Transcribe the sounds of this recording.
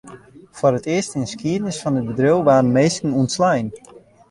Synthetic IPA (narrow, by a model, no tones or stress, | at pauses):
fwɔrətɪəstɪnskiədnəsfɔnət̚bədrəwʋaːrn̩meːskən̩unslɛjn